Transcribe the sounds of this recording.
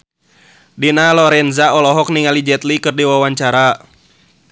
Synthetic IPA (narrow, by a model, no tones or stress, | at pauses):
dinalɔɾɛnzaɔlɔɦɔk̚niŋalid͡ʒɛt̪likɨrdiwawaɲt͡ʃaɾa